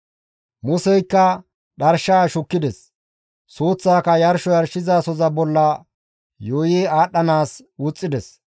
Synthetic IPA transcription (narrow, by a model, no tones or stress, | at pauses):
mʊsɛjkːɐ | ɗɐɾʃaːʃʊkːɪd̪ɛs | soːt͡sːaːkɐjɐɾʃɔjɐɾʃɪzaːsɔzɐbɔlːɐ | joːjeaːɗːɐnaːs | wʊt͡sʼːɪd̪ɛs